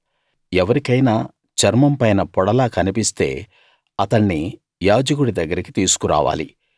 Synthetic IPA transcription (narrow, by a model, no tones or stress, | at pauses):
ɛʋɐɾikɐjnaː | t͡ʃɐɾmɐmpɐjnɐpɔɽɐlaːkɐnipist̪e̞̰ː | ɐt̪ɐɳːi | jaːd͡ʒɐk̬uɽid̪ɐɡːɐɾiki̥t̪iːsu̥kuɾa̰ːʋa̰ːlḭ